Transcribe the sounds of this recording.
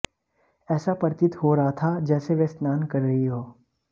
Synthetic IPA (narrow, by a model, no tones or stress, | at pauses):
ɛːsapɐɾt̪ɪt̪ɦoɾɐɦat̪ʰad͡ʒɛːseʋɛsnaːnkɐɾːɐɦiɦoː